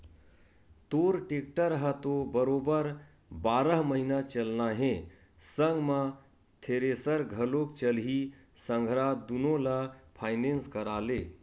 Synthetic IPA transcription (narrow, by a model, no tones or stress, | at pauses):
t̪oːɾʈek̚ʈəɾɦət̪obəɾoːbəɾ | baːɾəɦməɦinat͡ʃəlnaɦẽ | sə̃ŋɡmã | t̪ʰeɾesəɾɡʱəlokt͡ʃəlɦi | sə̃ŋɡʱɾad̪unõlapʰaːɪnẽnskəɾaːle